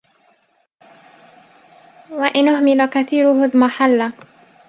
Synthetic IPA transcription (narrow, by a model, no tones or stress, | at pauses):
waʔɪnʔʊhmɪlakaθiːɾʊhʊðmaħalːa